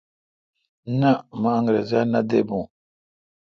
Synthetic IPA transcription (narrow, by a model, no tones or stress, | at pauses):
namaaŋɾḛzanadebu